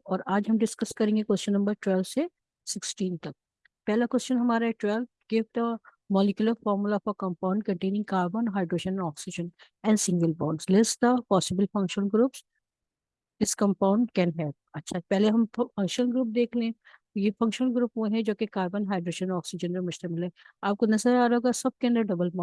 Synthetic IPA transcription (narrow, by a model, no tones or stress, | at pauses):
ɔːɾaːd͡ʒɦɐmɖɪskɐskɐɾẽːŋɡekwɛst͡ʃə̃nːɐ̃mbəɾʈwɛlʋse | sɪksʈiːnt̪ɐk̚ | pɛɦlakwɛst͡ʃənɦɐmaːɾaɦɛʈwɛlbɡɪf̚ʈ̪a | mɔːlɪkjuləɾfɔːɾmulafɔːɾkɐ̃mpãːʊ̃ɳɖ̚kɐ̃ɳʈeːnɪ̃ŋɡkaːɾbənɦaːɪɖɾoːʃə̃nɔːksɪd͡ʒə̃n | ɛ̃ːɳɖsɪ̃ŋɡəlbɔ̃ːɳɖslɪsʈt̪apɔːsɪbəlfɐ̃ŋkʃə̃nɡɾuːps | ɪskɐ̃mpaːʊ̃ɳɖkɛ̃ːnɦɛːp̚ɐtːʃʰapɛɦleɦɐmfɐ̃ŋkʃənɡɾuːp̚d̪eːkʰlẽ | jefɐ̃ŋkʃənɡɾuːpʋoɦɛd͡ʒoːkekaːɾbənɦaːɪɖɾoːd͡ʒə̃nɔːksɪd͡ʒənpemʊʃt̪ɐmɪlɦɛ̃aːp̚konɐzəɾaːɾɦoːɡasɐb̚kẽnd̪aɖɐbəlmː